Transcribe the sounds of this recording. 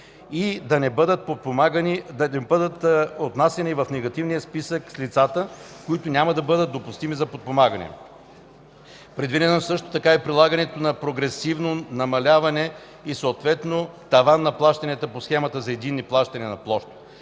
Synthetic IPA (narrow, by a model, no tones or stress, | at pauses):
id̪ɐnɛbəd̪ət̪̚pot̪̚pomaɡəninɛbəd̪ət̪ot̪nasɛnivɐfnɛɡɐt̪ivnijəspisəkslit̪sat̪ə | koit̪onʲamɐd̪ɐbɤd̪ət̪̚d̪opust̪imizɐpot̪̚pomaɡɐnɛ̰ | pɾɛd̪vid̪ɛnosɤʃt̪o̥t̪ɐkaɛpɾilˠaɡɐnɛt̪onɐpɾoɡɾɛsivnonɐmɐlʲavɐnɛ | isoːt̪vɛt̪not̪ɐvanːɐplˠaʃt̪ɐnʲɛt̪əposxɛmɐt̪əzɐɛd̪inːiplˠaʃt̪ɐnʲinɐplˠɔʃt̪o̥